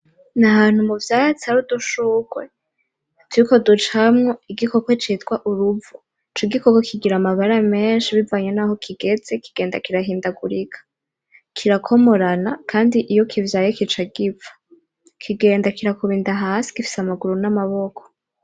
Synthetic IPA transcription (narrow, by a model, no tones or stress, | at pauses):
naɦaːn̥humuvjaːjat͡saɾuduʃukwe | tʰuɾiko̞dut͡ʃamŋo̞iɡiko̞kwe̞t͡ʃiːtɡwaʔuɾuvu | t͡ʃoɡikokokʰiɡiɾamaβaɾame̞ːnʃiβivaɲe̞naho̞kʰiɡe̞d͡ze̞kiɡ̥e̞ːndakiɾaɦiːndaɡuɾikʰḁ | kʰiɾakʰo̞mo̞ɾanakʰaːndiʔijo̞kʰivjaːjekit͡ʃaɡivḁ | kʰiɡe̞ːndakiɾakuβiːndaɦaːsi̥kifi̥samaɡuɾunamaβo̞kʰo̥